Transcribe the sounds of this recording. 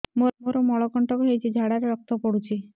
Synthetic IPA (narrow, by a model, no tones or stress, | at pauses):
momoɾɔmɔɭɔkɔɳʈɔkɔɦejt͡ʃʰid͡ʒʱaɽaɾeɾɔk̚t̪ɔpɔɽut͡ʃʰi